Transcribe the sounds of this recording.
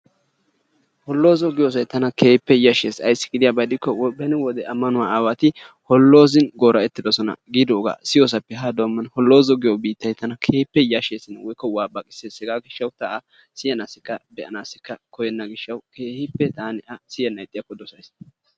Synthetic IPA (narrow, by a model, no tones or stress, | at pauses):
hɔlːo̞ːzɔɡɪjoːs̬ɐjt̪ɐnɐkeːpːɛjɐʃeːsɐjsːɪ̥ɡɪd̪ɪjaːbɐd̪ɪkːɔwɔbɛnɛwɔd̪ɛɐmːɐnʊwaːaːwɐt̪ɪhɔlːo̞ːzɪnɡoːɾɐɛt̪ːɪd̪ɔsɔnɐ̰ɡɪd̪oːɡa̰ːsɪjoːs̬ɐpːɛɦɐd̪oːmːɐnhɔlːo̞ːzɔɡɪjobiːt̪ːɐjt̪ɐnɐkʰeːpːɛjɐʃeːsɪnwɔjkːɔwaːbɐkʼɪ̥seːsɛɡaːɡɪʃːɐwt̪ɐʔɐ | sɪjɐnaːsɪkːɐbɛʔɐnaːsɪkːɐkɔjɛnːɐɡɪʃːɐwkeːhɪpːɛt̪aːnɛʔɐsɪjɐnɐjt̪ʼːɪjɐkːɔd̪ɔsɐjs